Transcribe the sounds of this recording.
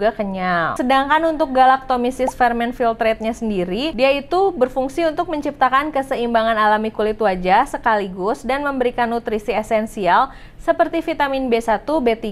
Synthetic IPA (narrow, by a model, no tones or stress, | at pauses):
ɡakəɲalsədaŋkanunt̪ʊk̚ɡalak̚t̪omisɪsfɛrmɛnfilt̪ɾɛt̪̚ɲasəndiɾidiait̪ubərfuŋsiunt̪ʊk̚məɲt͡ʃip̚t̪akankəsəimbaŋanalamikulɪt̪wad͡ʒasəkaliɡʊsdanməmbəɾikanːut̪ɾisiɛsɛnsial | səpərt̪ifit̪amɪnbesat̪ubet̪i